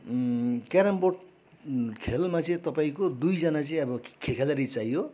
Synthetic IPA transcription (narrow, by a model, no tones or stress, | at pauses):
kaɾamboʈ | kʰelmat͡sʌĩt̪ʌpaĩkod̪ujd͡zʌnat͡sʌĩʌbʌkʰekʰalaɾit͡sajo